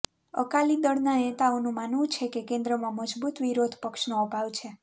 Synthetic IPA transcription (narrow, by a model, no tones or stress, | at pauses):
ə̰kalid̪əɽnanet̪aonũmanʋũt͡ʃʰekekẽnd̪ɾəmãməd͡ʒbut̪ʋiɾod̪ʱpəkʃnoəpaʋt͡ʃʰe